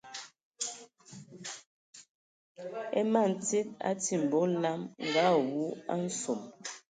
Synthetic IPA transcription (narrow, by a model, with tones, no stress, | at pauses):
ɛ˦ma˦˨n̩˨t͡si˦t̚a̰˦ti˨m˨bo˨˦la˦mŋ˨ɡa˦wu˨˦a̰˦n̩˦su˨m